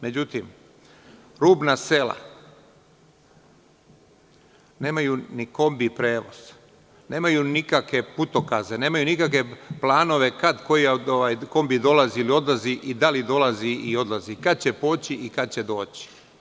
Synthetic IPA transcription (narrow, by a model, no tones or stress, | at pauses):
me̞d͡ʑut̪im | ɾuːbnase̞la̰ | ne̞ːmajuniko̞mbipɾe̞ːʋo̞̰z̥ | ne̞ːmajunikakʋe̞put̪o̞kazene̞ːmajunikakʋe̞plˠaːno̞ʋe̞kad̪ko̞jioʋajko̞mbid̪o̞laziilio̞d̪lˠaziʔid̪alid̪o̞laziio̞d̪lˠazikad̪̚t͡ɕepo̞ːt͡ɕiʔikad̪̚t͡ɕe̞d̪o̞ːt͡ɕi̥